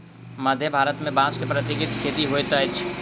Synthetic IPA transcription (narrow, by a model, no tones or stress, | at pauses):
mɐd̪ʱjəbʱaːɾət̪mẽbãːskepɾət̪ɪɡɪt̪kʰeːt̪iɦoet̪ɐɪt͡ʃʰ